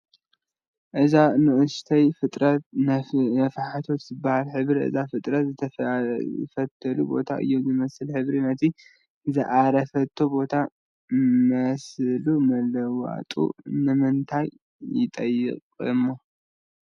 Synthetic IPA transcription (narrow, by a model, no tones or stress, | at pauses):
ʔɨzanɨʔɨst̪ʰɐjfɨt̪ʼɾɐt̪̚nnɐfħat̪ʰo̞t̪zɨbahalħɨβɾiʔɨ̰zafɨt̪ʼɾɐt̪zɨt̪ʰɐ̰ | fɐt̪ʰːɐlubo̞̰t̪ʰa̰ʔɨ̰jːo̞mzɨmɐsɨlħɨβɾinɐt̪ʰi | zɨʔaɾɐfɐt̪ʰːobo̞t̪ʰa | mɐslumɐlɐwa̰t̪ʼṵnɨmɨnt̪ʰajː | ɪ̰t̪ʼɐjːɪ̰qʼɨ̰mːo